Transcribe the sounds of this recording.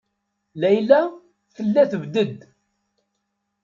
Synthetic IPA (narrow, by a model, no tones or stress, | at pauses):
læjlæ | θəlːæθəvd̪əd̪